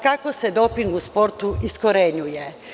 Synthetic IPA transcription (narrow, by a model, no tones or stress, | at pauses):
kako̞se̞d̪o̞piŋɡuspo̞ɾt̪uiskoɾeɲuje